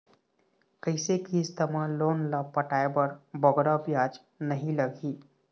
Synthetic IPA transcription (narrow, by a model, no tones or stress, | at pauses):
kəɪsekiːst̪ɐmãloːnlapəʈaːebəɾbəɡɾabjaːd͡ʒ | nɐɦĩlɐɡiː